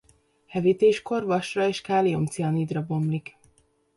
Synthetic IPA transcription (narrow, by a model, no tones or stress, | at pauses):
hɛvit̪eːʃko̞rvɒʃrɒeːʃkaːlio̞mt̪siɒniːd̪rɒbo̞mlik